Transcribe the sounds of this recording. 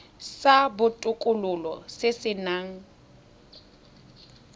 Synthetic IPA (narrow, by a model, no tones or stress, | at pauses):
sabʊtʼʊkʼʊlʊlɔ̰sɪsɪnaːŋ̩